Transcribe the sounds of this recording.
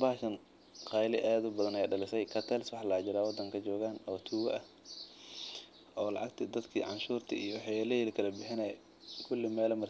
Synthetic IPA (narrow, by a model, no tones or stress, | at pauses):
baːʃɐn | qɑːjlɪʔaːðʊbɐðɐnɛjɖɐlɪsɛjkʰɐt̪ʰɛlswɑħlaːt͡ʃɪɾaːwɑd̪ɐŋkʰɐt͡ʃɔːɣaːnɔːt̪ʰuːɣɐʔɐ | ɔːlɑ̰ʕɑɡt̪ʰɪd̪ɐd̪kʰḭːʕɑ̰nʃuːrt̪ʰɐijɔwɑħɑjɛlɛlkʰɐlɐbɪħɪnɛː | kʰʊlːɪmɛːlɐmɐr